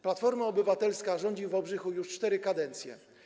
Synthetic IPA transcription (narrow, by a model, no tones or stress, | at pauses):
plat̪fɔɾmaɔbɘvat̪ɛlskaʐɔɲd͡ʑivɔbʐɘxujuʂt͡ʂt̪ɛɾɘkad̪ɛnt̪sʲjɛ̰